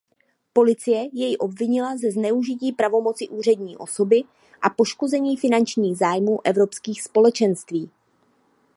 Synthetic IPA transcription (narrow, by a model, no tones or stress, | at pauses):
po̞lɪt͡sɪjɛjɛjɪʔo̞bvɪɲɪlazɛznɛuʒɪciːpɾavo̞mo̞t͡sɪʔuːr̝ɛdɲiːʔo̞so̞bɪ | ʔapo̞ʃko̞zɛɲiːfɪnant͡ʃɲiːɣzaːjmuːʔɛvɾo̞pskiːxspo̞lɛt͡ʃɛnst̪viː